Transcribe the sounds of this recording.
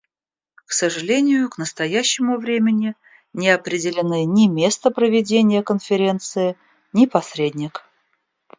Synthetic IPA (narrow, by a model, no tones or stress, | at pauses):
ksəʐɨlʲenʲɪjʊknəst̪ɐjæɕːɪmʊvɾʲemʲɪnʲɪ | nʲɪɐpɾʲɪdʲɪlʲɪnɨnʲɪmʲe̞st̪əpɾəvʲɪdʲenʲɪjəkənfʲɪɾʲent̪sɨɪ | nʲɪpɐsʲɾʲedʲnʲɪk